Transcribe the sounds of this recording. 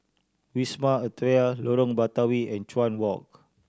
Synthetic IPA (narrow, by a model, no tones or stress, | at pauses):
wismaət̪ɾealoɾɔ̃ŋbat̪awiɛ̃nt͡ʃwãnwɔk̚